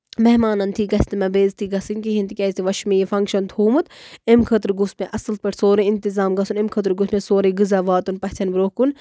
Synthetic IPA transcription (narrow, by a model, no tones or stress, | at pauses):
meɦmaːnɐnt̪ʰiɡɐsʲt̪imɐbeːzt̪ʰiɡɐsɨnʲkiɦint̪ikʲɛːzʲt̪ʰiʋɐʃmiːjefɐŋkʃɐnt̪ʰuːmut̪emkʰət̪ɾɡusmeʔɐsɨlt̪̚pɐʈʰsoːɾẽint̪izaːmɡɐsunemkʰət̪ɾɡusmẽsoːɾẽɡɨzaːʋaːt̪unpɐt͡ʃʰɐnbɾoːkun